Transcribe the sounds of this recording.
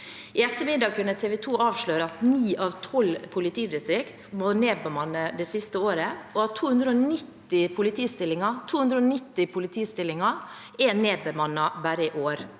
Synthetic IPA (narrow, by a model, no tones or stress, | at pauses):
ɪɛt̪ːəmɪd̪ɑːkʉnːət̪ʰeːʋɛt̪ʰuːɑːʋʃɭøːɾəɑt̪niːʔɑːʋt̪ʰɔlpʰʊlɪt̪ʰiːd̪ɪst̪ɾɪkt̪moneːbəmɑnːəd̪ɛːsɪst̪əoːɾəɔɑt̪ʰːuːhʉnd̪ɾəonɪt̪ːɪpʰʊlɪt̪ʰiːst̪ɪlːɪŋɑt̪ʰuːhʉnd̪ɾəɔnɪt̪ːɪpʰʊlɪt̪ʰiːst̪ɪlːɪŋɑ | ɛneːbəmɑnːɑbæːɾəɪʔoːɾ